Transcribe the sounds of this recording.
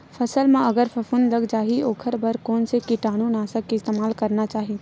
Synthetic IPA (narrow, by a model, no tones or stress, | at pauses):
fʰɐsəlmãɐɡəɾfɐfʊnlɐɡd͡ʒaːɦioːkʰəɾbɐɾkɔːnsekiʈaːɽ̃ũnaːsɐkːiɪst̪eːmaːlkɐɾnat͡ʃaːɦie